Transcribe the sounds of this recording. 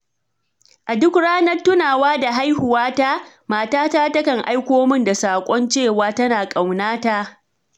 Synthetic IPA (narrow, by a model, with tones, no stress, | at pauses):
ʔa˨dʊ˦kɽaː˦nɐ˦rtːʊ˦naː˨waː˦da˨ɦa˦jhʊ˨waː˦ta˦ | maː˨taː˦taː˦tɐ˦kɐ˨ŋʔa˦jkʷoː˦mɪ˦nda˨saː˨kʷʼɔ˦nt͡ʃeː˦˨waː˦tɐ˦naː˨kʼa˨wnaː˦ta˦ʔ